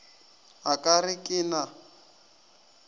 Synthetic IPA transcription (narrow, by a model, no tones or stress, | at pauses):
akʼarɪkʼɪːna